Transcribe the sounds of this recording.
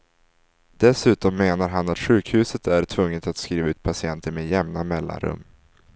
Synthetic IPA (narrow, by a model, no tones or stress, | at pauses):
d̪̥ɛsʉ̟ːt̪ɔmːeːnaɾɦanat̪ɧʉ̟ːkhʉ̟ːsət̪æɾʈʰvɵŋːət̪at̪skɾiːvaʉ̟ːt̪̚pʰasɪɛnt̪əɾmejɛmnamɛlːa̰nɾɵ̰mː